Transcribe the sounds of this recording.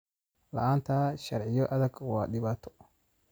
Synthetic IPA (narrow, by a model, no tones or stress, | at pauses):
lɐ̰ʔant̪aːʃɐɾʕɪjɔʔɐd̪ɐɡwaːɗɪbaːt̪ːɔ̥